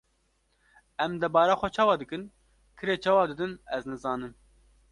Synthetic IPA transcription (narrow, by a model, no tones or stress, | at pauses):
ɛmd̪ɛbɑːɾaxʷɛt͡ʃʰɑːwɑːd̪ɨkɨn | kʰɨɾeːt͡ʃʰɑːwɑːd̪ɨd̪ɨnɛznɨzɑːnɨm